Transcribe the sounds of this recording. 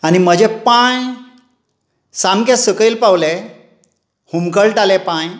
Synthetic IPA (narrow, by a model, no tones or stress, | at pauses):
anim̤əd͡ʑepãj | samkẽsəkilpawle | humkəɭʈalɛpãj